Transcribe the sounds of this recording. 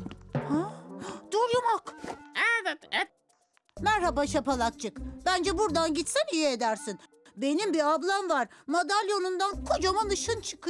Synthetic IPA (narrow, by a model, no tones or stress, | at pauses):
had̪̥uɾjumakɛvɛt̪ɛ | mæɾhabaʃapʰalˠak̚t͡ʃʰɯkbænd͡ʒɛbuɾd̪anɟit̪sɛnijɛed̪æɾsin | be̞nimbiablˠanvaɾmad̪alʲjonund̪ankʰod͡ʒamanɯʃɯnt͡ʃʰɯ̥kʰɯ